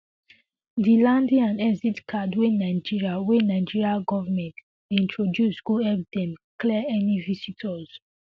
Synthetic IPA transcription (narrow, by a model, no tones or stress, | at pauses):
dilãndĩãnɛsitkʰadwenaɪd͡ʒiɹiawenaɪd͡ʒiɹiaɡɔvamɛ̃nt | ĩntʰɹodjusɡuɛp̚dɛ̃mklɛɛnivisitʰɔz̥